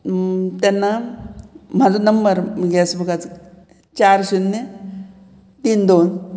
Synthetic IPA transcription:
t̪ɛnːa | m̤ad͡zunəmbəɾmɡɛsbəkat͡s | t͡ɕaɾɕunːə | t̪iːnd̪on

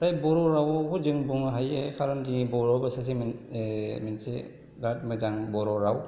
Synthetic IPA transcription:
ɾajbɔɾɔɾawkʰud͡ʒɯŋbuŋɦajekʰaɾɔndibɔɾɔbasas̬imi | minsḛ | ɡat̚mɯzaŋbɔɾɔɾaw

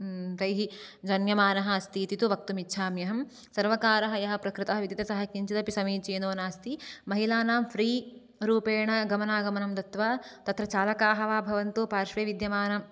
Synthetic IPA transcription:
t̪ɐjɦid͡ʒɐnjɐmaːnɐɦɐ̆ɐst̪iːt̪it̪uʋɐk̚t̪umitːʃʰaːmjɐɦɐm | sɐɾʋɐkaːɾɐɦɐjɐɦɐ̆pɾɐkɾɪt̪ɐɦɐʋid̪it̪ɐsɐɦɐkiɲt͡ʃɐt̪ɐpisɐmiːt͡ʃeːnoːnaːst̪imɐɦilaːnaːmpʰɾiː | ɾuːpeːɳɐɡɐmɐnaːɡɐmɐnɐmd̪ɐt̪ʋaːt̪ɐt̪ɾɐt͡ʃaːlɐkaːɦɐʋaːbʱɐʋɐnt̪oːpaːɾʃʋeːʋid̪jɐmaːnɐm

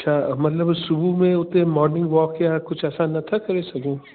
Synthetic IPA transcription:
ɐtːʃʰaːmɐt̪ləbsʊbumẽʊt̪ẽmɔːɾnɪ̃ŋɡʋɔːkjaːkʊt͡ʃʰɛːsanːɐt̪ʰakɐɾesɐkũː

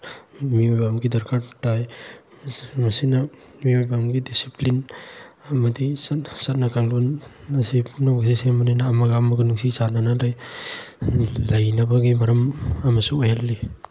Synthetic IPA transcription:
miojbamɡidɐɾkʰaɾtaj | mɐsinamiojbamɡidisiplin | ɐmadisatsat̚nakaŋlunɐsipʰunaɡs̬isemanajnaːmaɡamaɡɯnuŋsisananalaj | lɐjnɐbaɡimɐɾɐmɐmɐsuojalːi

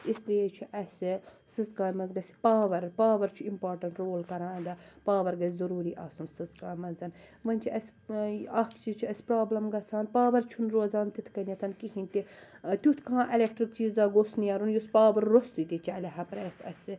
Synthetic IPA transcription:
isliet͡ʃʰuʔɐsʲɨ | sɨzkaːjmɐnzɡɐsi̥paːʋɐɾpaːʋɐɾt͡ʃʰuimpaːɾʈɐɳʈɾoːlkɐɾãːd̪ɐpaːʋɐɾɡɐzɐɾuːɾiʔaːsunsɨzkaːjmɐnzɐn | ʋɐnʲt͡ʃʰiɐs | ɐkʰt͡ʃit͡ʃʰuɐsʲpɾaːblɐmɡɐsʰaːnpaːʋɐɾt͡ʃʰunɾoːzaːnt̪it̪ʰkɐnʲit̪ʰɐnkiɦĩnʲt̪it̪ʲut̪ʰʲkãːʔelʲekʈɾikt͡ʃiːzaːɡoːsnijaːɾunjuspaːʋɐɾːost̪ut̪ʲit͡ʃɐlʲɐɦɐpɾɛːsɐ̰sɨ

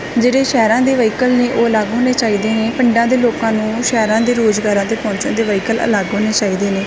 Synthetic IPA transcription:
d͡ʒeːɽeːʃɛːɾãːd̪eːʋəiːkəlneːʔoːəlaɡɦoːneːt͡ʃaːiːd̪eːneːpəɳɖãːd̪eːloːkãːnũːʃɛːɾãːd̪eːɾoːd͡ʒɡaːɾãːd̪eːpɔ̃ːɲt͡ʃã̰ːd̪eːʋəiːkələ̰ləɡɦoːneːt͡ʃaːiːd̪eːneː

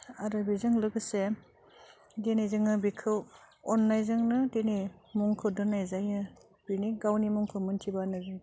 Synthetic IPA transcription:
aɾɯbizɯŋlɯɡɯse | denizɯŋɯbikʰɯw | ɔnːajzɯŋnɯdenimuŋkʰɯdɯnːajzajɯ | b̥iniɡawnimuŋkʰɯmɯntʰibanɯɾɯ

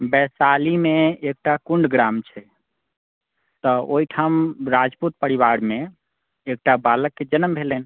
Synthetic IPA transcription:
bɛsalimeek̚ʈakuɳɖɡɾamt͡ʃʰɛ | t̪ɔoɦiʈʰamɾad͡ʒput̪̚pəɾiβaɾme | ek̚ʈabaləkːed͡ʒənəmbʱelən

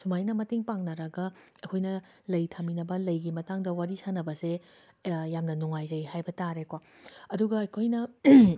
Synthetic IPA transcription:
sumajnɐmɐtiŋpaŋnɐɾɐɡɐ | ɐkʰojnɐ | lɐjtʰaminɐbɐlɐjɡimɐtaŋdɐwaɾisanɐbɐse | jamnɐnuŋajd͡ʒɐjhajbɐtaɾekoɐduɡɐɐjkʰojnɐ

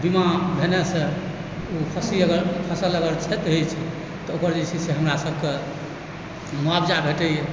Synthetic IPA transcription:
bimãbʱenesẽ | upʰəsiəɡəɾpʰəsələɡəɾt͡ʃʰɛt̪ɦet͡ʃʰɛ | t̪ɔokəɾd͡ʒɛt͡ʃʰiseɦəmɾasəb̚ʱke | muabd͡ʒabʱeʈɛjɛ

